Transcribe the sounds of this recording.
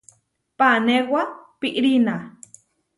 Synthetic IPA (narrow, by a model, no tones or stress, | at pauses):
panewapiʔɾina